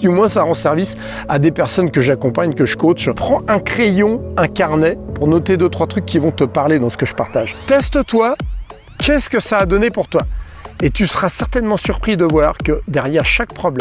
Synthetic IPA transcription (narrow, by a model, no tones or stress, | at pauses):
d̪ymwɛ̃saʁɑ̃sɛʁvis | ad̪epɛʁsɔnkəʒakɔ̃paɲkəʒəkot̪ʒ̥əpχɑ̃ʔɛ̃kχejɔ̃ɛ̃kaʁnɛpuʁnɔt̪ed̪øt̪χwat̪χykʲːivɔ̃t̪əpaʁled̪ɑ̃sə̥kəʒəpaʁt̪aʒt̪ɛst̪ət̪wa | kʰʲɛskəsaːd̪ɔnepuʁt̪wa | et̪ysəʁasɛʁt̪ɛnmɑ̃syʁpχid̪əvwaʁkəd̪ɛʁjɛʁʃak̚pχɔblɛ